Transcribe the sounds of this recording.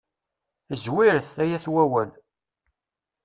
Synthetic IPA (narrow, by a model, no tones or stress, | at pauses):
zwiɾəθæjæθwæwæl